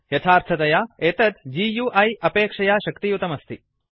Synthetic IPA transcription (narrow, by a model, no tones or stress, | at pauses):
jɐt̪ʰaːɾt̪ʰɐt̪ɐjaːeːt̪ɐt̪d͡ʒijuːʔɐjɐpeːkʂɐjaːʃɐkt̪ijut̪ɐmɐst̪i